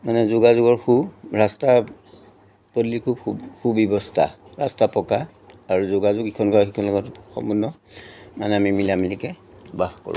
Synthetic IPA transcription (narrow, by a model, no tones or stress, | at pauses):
manɛzʊɡazʊɡɔɹxuɹasta | podlikʰubkʰubkʰubɔbɔstʰa̰ɹastapɔkaː | ɹuzʊɡazʊɡikʰɔnkawxikʰɔnlɔɡɔtxɔ̰munːɔ | manɛamimilamilikɛ | baxkɔ̰ɹṵ